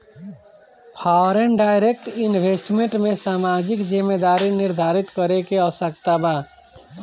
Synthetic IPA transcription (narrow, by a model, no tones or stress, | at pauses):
pʰawɾenɖajɾek̚ʈinbʱesʈmeɳʈmesamad͡ʒikd͡ʒimːed̪aɾiniɾd̪ʱaɾit̪kəɾekeəʋəsəkt̪aba